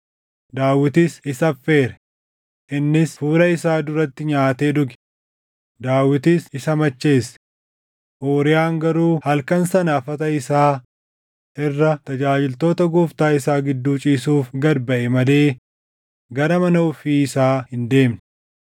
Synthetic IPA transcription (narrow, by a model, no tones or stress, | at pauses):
d̪aːwɪt̪ɪsɪsɐfːe̞ːɾɛ | ʔɪnːɪsfuːɾɐɪsaːd̪ʊɾɐt̪ːɪɲaːt̪eːd̪ʊɡɛ̥ | d̪aːwːɪt̪ɪsɪsɐmɐt͡ʃːe̞ːs | ʔoːɾɪjaːŋɡɐɾuːhɐlkɐnsɐnɐɐfɐt̪ɐɪsaː | ɪrːɐt̪ɐd͡ʒaːd͡ʒɪlt̪o̞ːt̪ɐɡuːft̪aːɪsaːɡɪd̪ːuːt͡ʃʼiːsuːfɡɐɾbɐʔɛmɐle̞ː | ɡɐɾɐmɐnɐʊfiːɪsaːhɪnd̪e̞ːmn